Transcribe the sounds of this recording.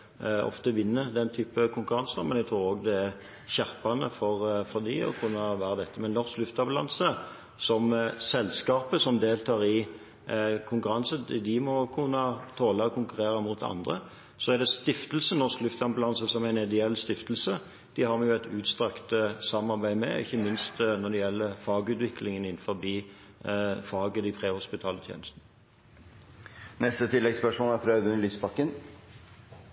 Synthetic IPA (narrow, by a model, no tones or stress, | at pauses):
ɔ̰ft̪əʋɪnːəd̪ɛnt̪ʰyːpəkʰʊŋkʉʁɑnsəmɛnæɡt̪ɾuːɾoːɡd̪ɛæʁ | çæɾpɑnəfɔʁfɔʁd̪ɪɔ̰kʰʉnːəʋæːɾəd̪ɛt̪ːəmɛnnɔʁsklʉft̪ɑblɑ̰nsə | sɔmsɛlːskɑːpəsɔmd̪eːlt̪ʰɑːʁɪ | kʰʊŋkʉɾɑnsəd̪ɪmɔkʰʉnːət̪ʰoːləɔkʰʊŋkʉʁeːɾəmʊt̪ʰɑ̰nd̪ʁə̰ | sɔæd̪ɛst̪ɪft̪əlsənnɔsklʉft̪ɑnblɑnsəsɔmæɪnɪd̪əɛlːst̪ɪft̪lsə | d̪̥ɪhɑʁmɛjʊæt̪ʰʉːt̪st̪ʁɛkt̪sɑmːɑʁbæɪmɛ̰ɪ̰çːəmɪnst̪nɔd̪ɛjɛlːəfɑːɡʉːt̪ʋɪklɪŋənɪnfɔɾbiː | fɑːɡəd̪ɪpʰʁeːhʊspɪt̪ʰɑːlət̪ʰjḛːnəst̪nə | nɛst̪ət̪ʰɪlːɛɡspœʂmoːlæt̪ɾœːd̪ʉnlyːspɑkːən